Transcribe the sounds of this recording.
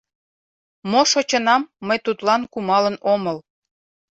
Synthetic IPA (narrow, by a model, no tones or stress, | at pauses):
moʃot͡ɕənɑmːəjt̪ut̪lɑnkumɑlənoməl